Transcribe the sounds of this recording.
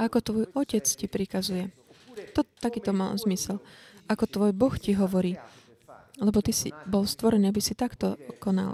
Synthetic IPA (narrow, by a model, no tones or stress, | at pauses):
ʔakɔt̪ʋɔjɔcɛt͡scipɾikazujɛ | t̪ɔt̪akiːt̪ɔma̰lzmisɛlakɔt̪ʋɔjbɔxciɦɔʋɔɾiː | lɛbɔt̪isḭbɔlst̪ʋɔɾɛniːabisit̪akt̪ɔkɔna̰l